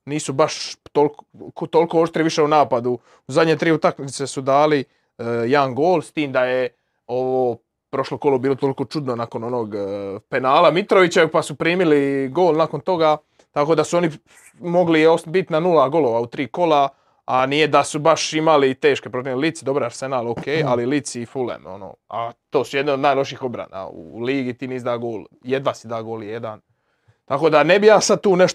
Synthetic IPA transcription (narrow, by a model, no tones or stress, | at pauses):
niːsubaʃt̪olk | kot̪olkooʃt̪ɾiʋiʃe̞unaːpad̪u | zad̪ɲet̪ɾiːut̪aknit̪se̞sud̪aːli | jaːnɡoːlˠst̪iːmd̪aje | o̞ʋoː | pɾo̞ʃloko̞lˠobiːlo̞t̪o̞lˠko̞t͡ʃud̪no̞nako̞no̞no̞ɡpe̞naːlamit̪ɾo̞ʋit͡ɕepasupɾiːmiliɡo̞ːlˠnako̞nt̪o̞ɡa | t̪ako̞ːd̪asuo̞ni | mo̞ɡliosbit̪nanulˠaɡo̞lo̞ʋaut̪ɾiːko̞lˠa | anijed̪asubaʃimalit̪e̞ːʃkepɾoienliliːt̪sid̪o̞baɾaɾse̞naːlˠokeːjalilit̪sifulḛno̞̰no̰ːa̰t̪o̞ːsujed̪neod̪naːjlˠo̞ʃiːxo̞bɾa̰na̰ṵliːɡit̪iːniːs̬d̪aːɡoːlˠ | jed̪ʋasid̪aːɡoːljed̪an | t̪akod̪anebijaːsad̪̚t̪uːneʃ